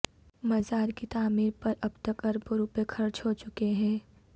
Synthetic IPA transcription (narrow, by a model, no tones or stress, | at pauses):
mɐzaːɾkit̪aːmiːɾpɐɾɐbt̪əkɐɾboɾuːpekʰɐɾt͡ʃɦot͡ʃʊkeɦɛ̃ː